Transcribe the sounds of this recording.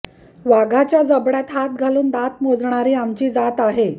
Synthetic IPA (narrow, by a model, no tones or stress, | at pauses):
ʋaɡʱat͡ɕjad͡zəbɽat̪ɦat̪̚ɡʱaluːnd̪at̪mod͡zɳ̃aɾiːamt͡ɕiːd͡zat̪aɦe